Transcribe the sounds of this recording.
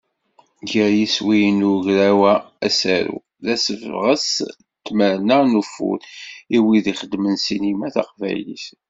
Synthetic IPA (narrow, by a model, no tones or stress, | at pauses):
ʝəɾjiswijənuʝɾæwæ | æsæɾṵ | ðæsəvʁəs | t̪ːməɾnənufṵɾiwiðiχəd̪mənsinimæθɑ̰qvæ̰jlḭθ